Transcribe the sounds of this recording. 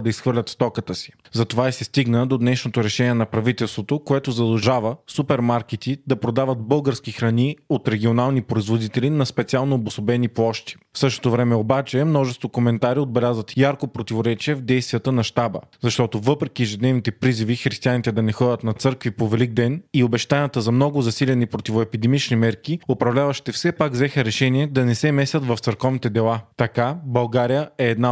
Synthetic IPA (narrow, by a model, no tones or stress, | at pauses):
d̪ɐisxvɤɾlʲət̪st̪ɔkət̪əsi̥ | zɐt̪ovaɛsɛst̪iɡnəd̪od̪nɛʃnot̪oɾɛʃɛniɛnɐpɾɐvit̪ɛlˠst̪vot̪okoɛt̪ozɐd̪ɛʒavəsupɛɾmaɾk̟ɛt̪id̪ɐpɾod̪avət̪̚bɤlˠɡəɾskixɾɐniot̪ɾɛɡʲionalˠnipɾoizvod̪it̪ɛlinɐspɛt̪sialˠnoːbʊsobɛniplˠɔʃt̪i̥fsɤʃt̪o̥t̪ovɾɛmɛobat͡ʃɛmnɔʒɛst̪vokomɛnt̪aɾiod̪̚bɛlʲazət̪jaɾkopɾot̪ivoɾɛt͡ʃiɛvd̪ɛjst̪vijət̪ənɐʃt̪abə̰zɐʃt̪ɔt̪ovɤpɾɛkiɛʒɛd̪nɛvnit̪ɛpɾizivixɾist̪ianit̪ɛd̪ɐnɛxɔdʲət̪nɐt̪sɤɾkvipovɛliɡ̚d̪ɛniobɛʃt̪anijət̪əzɐmnɔɡʊzɐsilʲɛnipɾot̪ivoɛpid̪ɛmit͡ʃnimɛɾkiopɾɐvlʲavɐʃt̪ɛfsɛpaɡvzɛxəɾɛʃɛniɛd̪ɐnɛsɛmɛsʲət̪vɐft̪səɾkɔvnit̪ɛd̪ɛlˠat̪ɐkabɐlˠɡaɾijəɛːd̪na